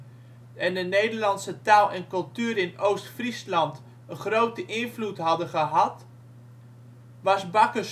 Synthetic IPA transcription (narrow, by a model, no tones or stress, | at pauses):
ɛndənejdəɹlɑnsətaːlˠɛnkɵlˠtyːɾɪnowstfrislɑnt | əχrowtəʔɪnvlutɦɑdəχəɦɑt | ʋɑsbɑkəs